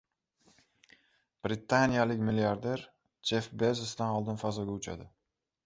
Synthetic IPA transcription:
b̥ɾɪt̪ʰːanijalɪkʲmɪlijaɾd̪e̞ɾ | t͡ʃʰefbezɪsd̪anɒlˠd̪ɪnfazɒɡʲaʊt͡ʃʰa̰d̪ɪ

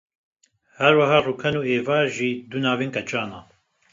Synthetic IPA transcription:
hɛɾwɐɦaːruːkʰɛnuːeːvaːʒiːd̪unaːviːŋkɛt͡ʃʼaːnaː

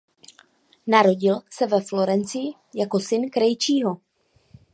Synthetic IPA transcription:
naɾo̞ɟɪlsɛvɛflo̞ɾɛnt͡sɪɪ | jako̞sɪnkɾɛjt͡ʃiːɦo̞

